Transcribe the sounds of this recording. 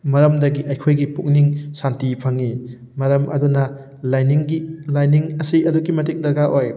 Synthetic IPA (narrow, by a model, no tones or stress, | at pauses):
mɐɾɐmdɐɡiʔɐjkʰojɡipuk̚niŋsantipʰɐŋi | mɐɾɐmʔɐ̰dunɐ | lajniŋɡilajniŋɐsiɐduɡimɐtik̚dɐɡaʔoj